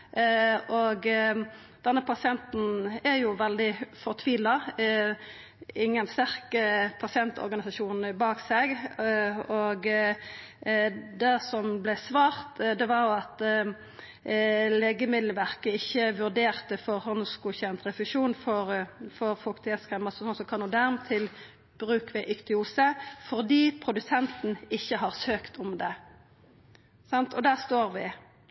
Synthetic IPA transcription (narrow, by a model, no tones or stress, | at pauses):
ʔoɡ | d̪̥ɛnːəpʰɑsɪɛnt̪n̩æɾjʊʋɛld̪ɪfɔʁt̪ʰʋiːlɑ | ɪŋːənst̪æʁkəpʰɑsɪɛnt̪ʰɔ̰ʁɡɑnɪsɑʃuːnnəbɑːkseːɡ | oɡ | d̪æsɔmblɛsʋɑːʁt̪d̪ɛʋɑʁjʊɑt̪ | leːɡəmɪd̪lʋæʁkəɪçːəʋʉʁd̪eːʁt̪əfɔʁhɔnskuːçɛnt̪ʁɛfʉʃuːnfɔʁfɔʁfɔlkt̪ʰɛskʁɛmɑsɔsɔnsɔkʰɑnuːd̪æʁmt̪ʰɪl | b̥ʁʉːkʋɪʔʏkt̪ɪuːsəfɔʁd̪iːpʰʁʊd̪ʉsɛnt̪n̩ɪçːəɦɑʁsøːkt̪ʰɔmd̪ɛ | sɑnt̪ʰɔd̪æːʁst̪oːʁʋɪ